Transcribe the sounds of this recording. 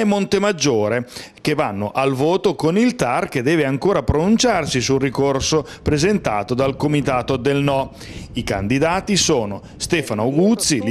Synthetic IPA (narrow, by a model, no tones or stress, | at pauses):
ɛmːont̪emad͡ʒːoːɾek̟evanːoʔalvoːt̪okonilt̪arked̪ɛːveaŋkoːɾapɾonunt͡ʃarsisulrikorsopɾezent̪a̰ːt̪od̪alkomit̪aːt̪od̪elnɔ | ika̰nd̪id̪aːt̪isoːno | st̪ɛːfanoawɡut̪sːil